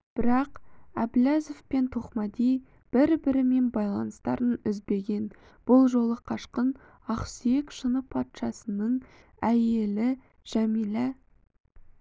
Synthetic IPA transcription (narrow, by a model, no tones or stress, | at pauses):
b̥ɪɾɑqæ̰blæzofpe̞nt̪ʰo̞qmɑd̪ij | b̥ɪɾbɪɾɪme̞nbɑjlˠɑnəst̪ɑ̰ɾənʏzbe̞ɡʲe̞n | b̥ʊlˠʒo̞lˠəqʰɑʃqən | ɑqsije̞kʃənəpʰɑt̪ʃɑsənəɴ | æje̞lɪ | ʒ̥æmijla